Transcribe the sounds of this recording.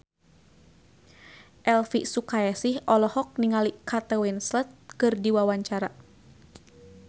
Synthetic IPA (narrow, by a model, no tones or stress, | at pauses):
ʔɛlfisukajasihɔlɔhɔk̚niŋalikʰat̪əwinslət̪̚kɨrdiwawaɲt͡ʃaɾa